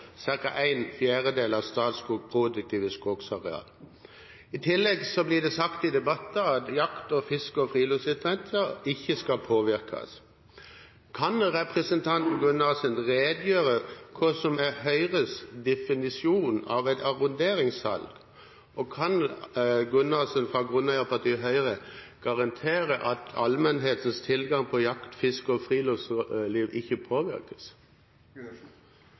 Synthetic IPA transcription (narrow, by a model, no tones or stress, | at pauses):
sɪɾkɑʔæɪnfjæːʁəd̪eːlɑʋst̪ɑːt̪sɡuːɡpʰɾuːd̪ʉk̚t̪ʰiːʋəskɔksɑʁɛɑ̰ːl | ɪt̪ʰɪlːɛɡsɔblɪd̪ɛsɑkt̪ɪd̪ɛbɑt̪ːəɑt̪jɑkt̪ɔfɪskəɔfʁiːlʉsɪt̪ʰɾɛnt̪ʰəɪçːəskɑlpʰoːʋɪʁkʰɑ̰s | kʰɑnʁɛpɾəsənt̪ʰɑnt̪n̩ɡʉnːɑsɛnʁeːd̪jøːɾəkʰʊsɔmɛɦœʏʁəsd̪ɛfɪnɪsɪuːnɑ̰ʋɛt̪ɑʁʊnd̪eːɾɪŋshɑ̰lɡ̥ | ɔkʰɑnɡʉnɑlsənfʁɑɡʁʉnɑpɑʁt̪iːɦœʏɾəɡ̥ɑʁɑnt̪ʰeːɾəʔɑt̪ʰɑlmɛnɦeːt̪ənst̪ʰɪlɡɑŋpʰɔjɑkt̪fɪskɔfʁiːlɔfsliːʋɪçːəpʰoːʋɪ̰ɾkə̥s